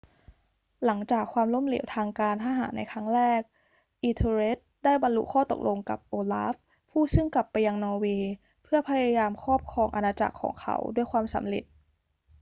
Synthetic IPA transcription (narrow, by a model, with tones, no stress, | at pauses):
la˩˦ŋt͡ɕaː˨˩kʰwaː˧mlo˥˩mlḭ˩˦wt̪ʰaː˧ŋkaː˧nhʰaː˥˩ɦa̰ː˩˦nʔa˧jkʰɾa˦˥ŋɾɛː˥˩k̚ | ʔi˧t̪ʰe˧ɾe˦˥t̪̚daː˥˩jba˧nlṵ˦˥kʰɔː˥˩t̪o̰˨˩k̚lʔo˧ŋka̰˨˩p̚ʔoː˧la̰˦˥fʰ | uː˥˩sɯ˥˩ŋkla˨˩pːa˧jːa˧ŋnɔː˧weː˧ | pʰɯ˥˩ɐpʰa˧jaː˧jaː˧mkʰɔː˥˩p̚kʰɔː˧ŋʔa˧naː˧t͡ɕa̰˨˩kʰːɔ̰ː˩˦ŋkʰa̰˦˥wdu˥˩əjkʰwaː˧msa̰˩˦mɾḛ˨˩t̪̚